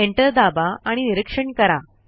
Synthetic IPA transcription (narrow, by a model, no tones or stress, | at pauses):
eɳʈəɾd̪abaaɽ̃iniɾəkʂəɳkəɾa